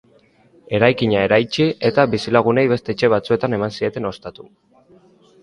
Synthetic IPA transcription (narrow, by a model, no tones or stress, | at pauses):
e̞ɾajkiɲae̞ɾajt͡ʃie̞t̪abisilaɣ̞une̞jβe̞st̪e̞t͡ʃe̞β̞at͡sue̞t̪ane̞mansie̞t̪e̞no̞st̪at̪u